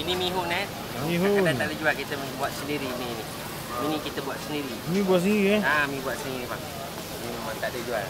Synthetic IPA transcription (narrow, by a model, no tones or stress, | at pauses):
inimiɦʊʔna | miɦuʔat̪aʔdəd͡ʒualkit̪əmbuaʔsəndiɾini | minikit̪əbuaʔsəndiɾimĩbuaʔs̬əniɾiaamĩbuaʔsəniɾibaŋ | niməmant̪aʔdəd͡ʒual